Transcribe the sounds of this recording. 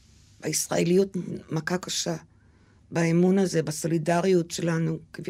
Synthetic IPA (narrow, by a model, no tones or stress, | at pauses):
b̥aisʁa̰e̞lijutmakakaʃa | baemunaze̞baso̞lidaʁijutʃe̞lanukv